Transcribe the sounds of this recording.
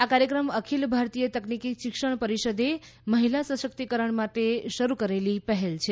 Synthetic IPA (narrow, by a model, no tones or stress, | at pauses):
akaɾjəkɾəməkʰilbʱaɾt̪ijət̪əknikiʃikʃəɳ̃pəɾiʃəd̪e | məɦilasə̃sək̚t̪ikəɾəɳmaʈ̪eʃəɾukəɾelipəɦelt͡ʃʰe